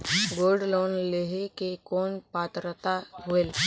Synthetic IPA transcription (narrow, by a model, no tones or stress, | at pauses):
ɡoːɖloːnleɦekekoːnpaːt̪ɾət̪aɦoel